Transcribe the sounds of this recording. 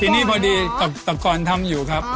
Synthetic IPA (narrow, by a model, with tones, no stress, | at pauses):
t̪ʰiː˧niː˥˩pʰa˧diː˧t̪a˨˩t̪a˨˩kɔː˧nt̪ʰa˧mjuː˨˩kʰɾa˦˥p̚